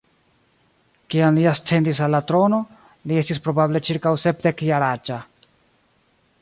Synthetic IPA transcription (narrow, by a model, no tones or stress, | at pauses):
kiamliast͡se̞ndis̬alːatɾo̞no̞ | lie̞stispɾo̞bable̞t͡ʃiɾkawse̞p̚de̞kjaɾat͡ʃa